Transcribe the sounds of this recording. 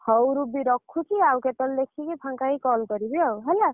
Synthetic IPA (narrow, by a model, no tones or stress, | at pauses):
hʌwɾubiɾɔkʰːut͡ʃʰiawket̪ɔldekʰːikipʰaŋkaɦikɔlkʌɾibiawɦela